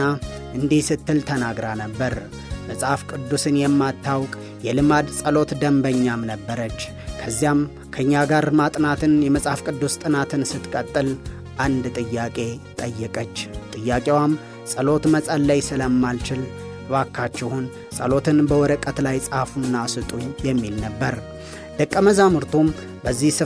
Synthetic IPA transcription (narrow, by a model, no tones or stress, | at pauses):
aʔɨnd̪ihsɨt̪ːɨlt̪ʰənaɡɾanəbːəɾ | məsʼhafkʼɨd̪ːusɨnjɛmːat̪ʰːawkʼ | jɛlɨmad̪sʼəlo̞t̪d̪əmbəɲːamnəbːəɾət͡ʃː | kʰəzːijam | kʰəɨɲːaɡaɾmat̪ʼnat̪ʰɨnjɛməsʼhafkʼɨd̪ːust̪ʼɨnat̪ʰɨnsɨt̪kʼət̪ʼːɨl | ʔand̪t̪ʼɨjːakʼe̞t̪ʼəjːɛkʼət͡ʃːt̪ʼɨjːakʼewam | sʼəlo̞t̪məsʼalːajsɨləmːalt͡ʃɪl | bakʰːat͡ʃːɛhun | sʼəlo̞t̪ʰɨnbəwɔɾəkʼːət̪lajsʼhafunːasɨt̪ʼujɛmːilnəbːəɾ | d̪̥əkʼːəməzamɨɾt̪ʰum | bəzːihsɨ